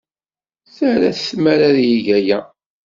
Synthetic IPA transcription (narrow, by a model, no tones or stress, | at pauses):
θæɾæθmæɾaðjiʝæjæ